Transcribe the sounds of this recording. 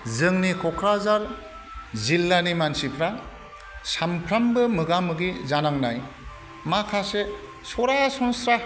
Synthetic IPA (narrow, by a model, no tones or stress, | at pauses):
zɯŋnikʰɔkʰɾazaɾ | zilːanimansipʰɾa | sampʰɾambɯmɯɡamɯɡizanaŋnaj | makʰase | sɔɾaasɔŋsɾa